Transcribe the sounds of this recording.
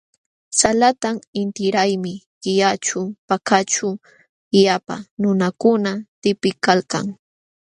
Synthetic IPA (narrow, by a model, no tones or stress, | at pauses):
salat̪amɪnt̪ɪɾajmɪɢɪjat͡ʃʊpakat͡ʃʊ | japa̰nʊnakʊnat̪ɪpɪkalka̰ŋ